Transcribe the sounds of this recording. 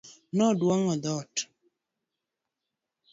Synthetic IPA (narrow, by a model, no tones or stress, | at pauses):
nɔdwɔŋɔðɔt